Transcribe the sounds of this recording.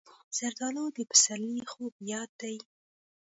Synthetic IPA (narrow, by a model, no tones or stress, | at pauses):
z̥aɾd̪ɑlod̪əpə̥salixobjɑd̪ːaj